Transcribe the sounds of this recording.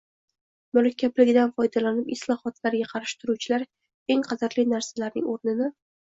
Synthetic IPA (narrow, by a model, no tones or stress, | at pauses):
mʊɾakʲʰːablɪɡʲɪd̪anfɒjd̪alanɪpɪslˠɒhɒt̪ʰlaɾɡʲaqʰɑɾɪʃɪ̥t̪ʰʊɾuwt͡ʃʰɪlaɾ | e̞ŋqʰɑzaɾlɪnaɾsalaɾnɪ̰ŋoɾnɪnɪ